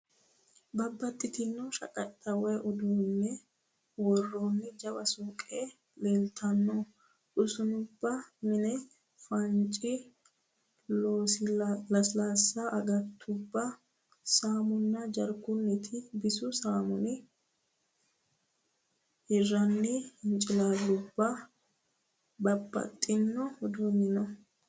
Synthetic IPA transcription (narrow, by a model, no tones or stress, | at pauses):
bɐbːɐt̪ʼːɪt̪ɪnːɔʃɐ̰kʼɐt̪ʼːɐwɛjʔɔd̪uːnːɛ | wɔrːoːnːɪd͡ʒɐwɐsukʼeː | leːlt̪ʰɐnːɔ | ᶑʊsʊnʊbːɐmɪnɛ | fɐnt͡ʃʼːɪ | loːslɐslaːsːaʔɐɡɐt̪ʰːʊbːɐ | saːmʊnːɐd͡ʒɐɾkʊnːɪt̪ʰɪbɪsʊsaːmʊnɪ | hɪrːɐnːɪhɪnt͡ʃʼɪlaːlːʊbːɐ | bɐbːɐ̰t̪ʼːɪnːɔhɔd̪umɪnɔ